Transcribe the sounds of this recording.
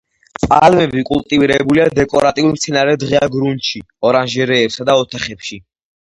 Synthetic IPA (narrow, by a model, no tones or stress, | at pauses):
pʼa̰lmɛbikʼulˠt̪ʼiviɾɛbuliad̪ɛkʼɔɾat̪ʼiulˠmt̪sʰɛnaɾɛd̪ʁɛaɡɾunʃʰi | ɔɾanʒɛɾɛːpsad̪aɔt̪ʰaχɛpʃi